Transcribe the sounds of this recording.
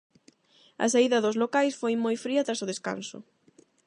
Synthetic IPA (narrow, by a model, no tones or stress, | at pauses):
ɐ̰saiðɐðozlokajsfojmojfɾiɐt̪ɾasʊðeska̰nsʊ̰